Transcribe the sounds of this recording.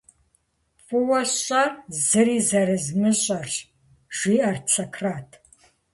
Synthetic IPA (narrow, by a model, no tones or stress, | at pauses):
fʼʊwɐɕɐzɨɾiːzɐɾɨzmɨɕʼɐr | ʒ̥ʷiːart͡sʰɐkʰraːtʰ